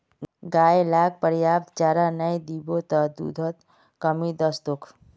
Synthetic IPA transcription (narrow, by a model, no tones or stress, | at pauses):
ɡaːjelaːk̚pəɾjaːp̚t̪t͡ʃaːɾanəjd̪ibot̪əd̪ṵd̪ʱət̪ | kɐmid̪əst̪ʊkʰ